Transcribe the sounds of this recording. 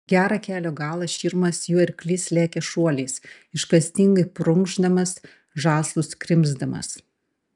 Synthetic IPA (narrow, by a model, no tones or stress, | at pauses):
ɡʲæːɾɑkʲæːlʲoːɡɑːlˠɐʃʲiːɾmɐsjuːɪɾklʲɪslʲæːkʲɛʃuɔlʲɛːs | ɪʃkɐsʲt̪ʲɪŋɡɐɪpɾʊŋɡʒd̪ɐmɐs | ʒɑːslˠʊskɾʲɪmzd̪ɐmɐ̰s